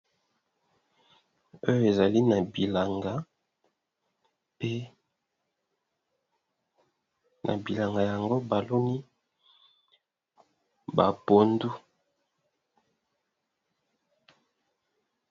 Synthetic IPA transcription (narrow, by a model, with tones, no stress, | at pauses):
o˦jo˦e˨za˨li˦na˨bi˨la˨ŋɡa˨˦ | pe˦ | nʔa̰˨bi˨la˨ŋɡa˨ja˨ŋɡo˦ba˨lo˦ni˦ | ba˨po˨ndu˦